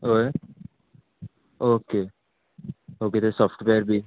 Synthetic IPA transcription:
oe | oːke | oːket̪osɔfʈʋeəɾbʱi

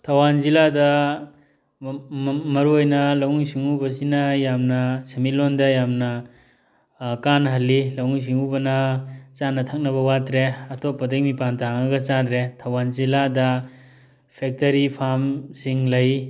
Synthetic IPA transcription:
tʰawanziladɐ | mɐɾuojnɐlawŋisiŋubɐsinɐjamnɐsemilɔndɐjamnɐ | kanɦɐlːilawŋis̬iŋubɐnɐt͡ʃanːɐtʰak̚nɐβɐwatɾeɐtʰɔpːɐdekmipantaŋɐɡɐt͡ʃadɾetʰawanziladɐ | pʰek̚tɐɾipʰamsiŋlɐj

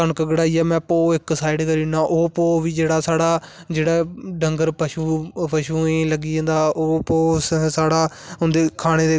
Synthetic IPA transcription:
kənkɡəɽaːiːaːmɛ̃ːpoːɪksaːɪɖkəɾiːnaːʔoːpoːʋiːd͡ʒeːɽaːsaːɽaː | d͡ʒeːɽaːɖəŋɡəɾpəʃuːpəʃuːẽːləɡiːẽːnd̪aːʔoːpoːsaːɽaː | ʊnd̪eːkʰaːɽ̃eːd̪eː

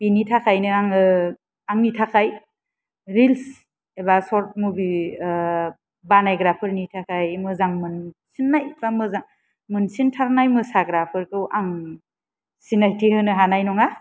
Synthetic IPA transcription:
b̥initʰakʰajnɯaŋɯ | aŋnitʰakʰaj | ɾils | ebasɔɾt̚mubi | banajɡɾapʰɯɾnitʰakʰajmɯzaŋmɯnsinːajbamɯzaŋ | mɯnsintʰaɾnajmɯsaɡɾapʰɯɾkʰɯwʔaŋ | sinajtʰihɯnɯɦanajnɔŋa

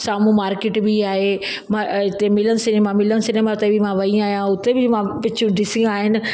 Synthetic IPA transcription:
saːmũmaːɾkeːʈbiaːɦe | mãɪt̪emɪlənɪ̆sɪnemãmɪlənɪ̆sɪnemaʊt̪ebɪmãʋɐĩaːɦijãʊt̪ebɪmãʋɪt͡ɕʰũɖɪsɪ̃aːɦɪnɪ̆

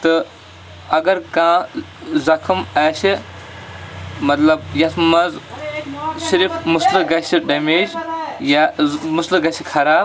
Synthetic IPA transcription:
t̪ɨ | ɐɡɐɾkãː | zɐkʰmɐːʃi | mɐt̪lɐb̚jɐsmɐz | siɾifmʊslɨɡɐʃiɖɐmeːd͡ʒjamuslɨɡɐsikʰɐɾaːb

